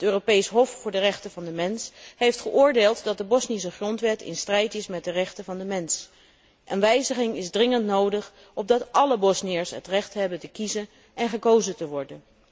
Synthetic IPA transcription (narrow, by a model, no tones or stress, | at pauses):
ətøːropejsɦɔfːʊːɹdərɛχtəvɑndəmɛnsɦejftχəʔʊːɹdeːlˠtdɑt̚dəbɔsnis̬əχrɔntʋɛtʰɪ̰nstrɛjtɪsmɛt̚dərɛχtəvɑndəmɛns | ʔənʋɛjzəχɪŋɪzdrɪŋəntnowdəχ | ɔb̚dɑtɑləbɔsniɪːɹsɦə̰trɛχtɦɛbəntəkizən | ɛnχəkowzətəʋɔɹdən